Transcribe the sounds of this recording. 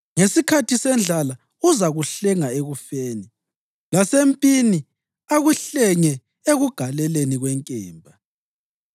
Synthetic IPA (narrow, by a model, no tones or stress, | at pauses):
ŋesikʰatʰisɛnd͡ɮʱala | uzaɣuɬɛŋaeɣufeːni | lasempʼini | aɣuɬɛŋɛ | eɣuɡ̥ʱalɛleniɣwɛŋkʼɛːmbʱa